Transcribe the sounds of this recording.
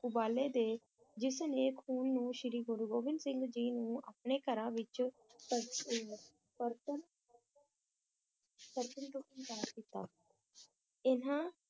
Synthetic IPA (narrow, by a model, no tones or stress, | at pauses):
ʊbaːleːd̪eː | d͡ʒɪsəneːkʰuːnːũːʃɪɾiːɡʊɾɡoːʋɪnsɪ̃ŋɡd͡ʒiːnũːa̰ːpneːkəɾãːʋɪt͡ʃ | pəɾ | pəɾt̪ən | pəɾt̪ənʈʊkənd̪aːɾkɪt̪a̰ː | ɪnãː